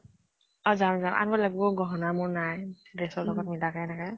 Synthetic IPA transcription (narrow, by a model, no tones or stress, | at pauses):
ɔzamzamʔa̰nbɔlaɡubɔɡɔɦɔnamʊɹnajdesɔlɔɡɔt̚milakaɛnakɛ